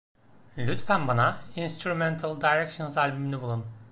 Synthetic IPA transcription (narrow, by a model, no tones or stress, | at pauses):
lʲyt̪fænbanainst̪ɾumɛnt̪ʰalˠd̪ajɾɛkʃɯnzalʲbymlʲɛbulˠum